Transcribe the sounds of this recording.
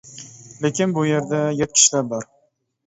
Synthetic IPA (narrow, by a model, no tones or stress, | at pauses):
lekʲɪnbʊjeɾd̪ajet̪̚kʲʰɪ̥ʃlabɒɾ